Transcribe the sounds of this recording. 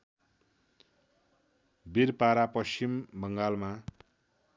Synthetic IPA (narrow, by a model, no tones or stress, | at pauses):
biɾpaɾapʌst͡ɕimbʌŋɡalma